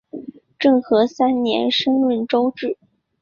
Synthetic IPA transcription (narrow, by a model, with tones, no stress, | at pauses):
ʈ͡ʂɤ˥˩ŋxɤ˧˥sa˥nnjɛ̰˧˥nʂɤ˥ŋɻə˥˩nʈ͡ʂo˥ʊʈ͡ʂɻ̩˥˩